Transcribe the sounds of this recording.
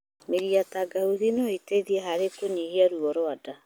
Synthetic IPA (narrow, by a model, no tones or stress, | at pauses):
meɾiataɡauðinɔɔiteðiɛɦaɾekoɲihiaɾuɔɾwada